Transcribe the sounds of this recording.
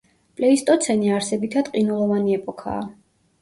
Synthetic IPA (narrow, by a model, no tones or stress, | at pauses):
pʼlɛist̪ʼɔt̪sʰɛniaɾsɛbit̪ʰad̪̥qʼinulˠɔvaniɛpʼɔkʰa̰ː